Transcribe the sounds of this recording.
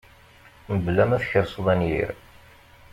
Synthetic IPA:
məblæmæθçəɾsoðˤænjḭɾ

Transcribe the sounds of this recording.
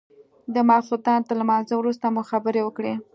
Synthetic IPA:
d̪əmɑfut̪ɑnt̪əlamɑnzəwɾust̪amuxabəɾewəkɽe

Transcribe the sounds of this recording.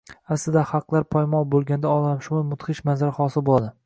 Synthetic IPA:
aslɪd̪ahɑqlˠaɾpʰɒjmɒbolˠɡʲand̪aɒlˠamʃʊmamʊt̪χɪʃmanzaɾaχɒsɪlbolˠad̪ɪ

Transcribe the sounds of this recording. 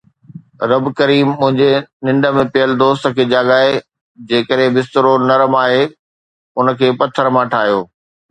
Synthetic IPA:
ɾɐbkɐɾiːmːʊ̃ɦɪ̃ɲd͡ʑenɪ̃ɳɖə̆mẽpɪjəld̪oːst̪ə̆kʰeːd͡ʑaːɡaːe | d͡ʑeːkəɾɦẽbɪst̪əɾonɐɾəmaːɦe | ʊnəkʰeːpɐt̪ʰəɾmãʈʰaːɦjoː

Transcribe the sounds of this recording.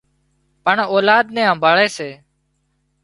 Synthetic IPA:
pəɳoːlaːd̪nɛ̃ːãːbʱəɭeːseː

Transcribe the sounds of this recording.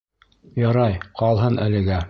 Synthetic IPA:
jɑɾɑjqɑlˠɦɤnʔælɘ̆ɡæ

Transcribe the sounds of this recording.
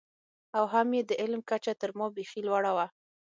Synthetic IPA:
awɦamjed̪əʔɪlmkat͡ʃat̪əɾmɑbexilwaɽawa

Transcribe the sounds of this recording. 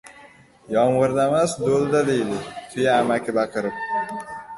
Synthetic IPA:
jɒmʁɨɾd̪amasd̪olˠd̪ad̪ejd̪ɪt̪ʰʊjaːmakʲʰɪbaqɨɾɪp̚

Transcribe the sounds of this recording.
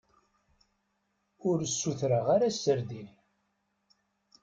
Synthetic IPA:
ʊɾəsːuθɾəʁaɾasːəɾðil

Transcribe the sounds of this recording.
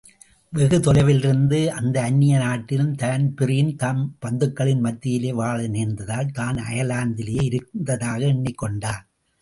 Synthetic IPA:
ʋɛɣɯt̪ɔlɐɪʋɪlɪɾɯnd̪ɯʔɐnd̪ɐːnːɪjɐnaːʈːɪlɯmt̪ɐnpɪrɪjɪnt̪aːmpɐnd̪ɯkːɐɭɪnmɐt̪ːɪjɪleːʋaːɭɯniːnd̪ɐðaːlt̪aːnɐ̰jɐlaːnd̪ɪlɪjɐɪɪɾɯknd̪ɐðaːɣɐɛɳːɪkːɔɳɖaː

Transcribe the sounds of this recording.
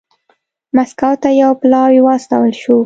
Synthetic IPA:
maskawt̪ajawplɑwiwɑst̪ɑwəlʃu

